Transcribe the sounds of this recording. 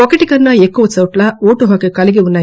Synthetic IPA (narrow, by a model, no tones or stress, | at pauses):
okɐʈikɐnːɐekːuʋɐt͡sɐwʈlɐoːʈuɦɐkekɐliɡiunːɐːj